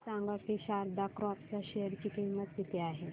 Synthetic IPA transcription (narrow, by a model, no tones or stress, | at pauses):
sãŋɡəʈiɕaɾd̪akɾapt͡saɕejəɾt͡ɕiːkimːət̪̚d̪it̪eaɦe